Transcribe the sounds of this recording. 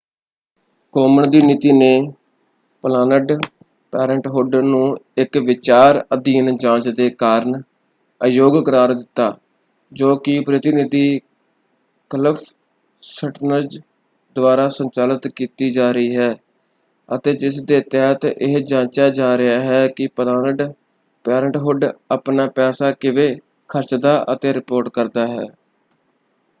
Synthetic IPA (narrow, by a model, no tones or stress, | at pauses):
koːməɳd̪iːnɪt̪iːneː | pəlaːnəɖ | pɛːɾəɳʈɦoːɾɖəɾnũːɪkʋɪt͡ʃaːɾəd̪iːnd͡ʒãːt͡ʃd̪eːkaːɾɳ | əjoːɡkəɾaːɾd̪ɪt̪ːaː | d͡ʒoːkɪpɾət̪ɪnɪd̪iː | kələpʰ | səʈnəd͡ʒ | d̪ʊaːɾaːsəɲt͡ʃaːlət̪kiːt̪iːd͡ʒaːɾəiːɦɛː | ət̪eːd͡ʒɪsd̪eːt̪ɛːɦt̪ɪɦd͡ʒãːnt͡ʃaːd͡ʒaːɾɪaːɦɛːkɪpəd̪aː | pɛːɾəɳʈɦʊɖəpnaːpɛːsaːkɪʋeː | kʰəɾt͡ʃd̪aːʔət̪eːɾɪpoːɾʈkəɾd̪aːɦɛ̰ː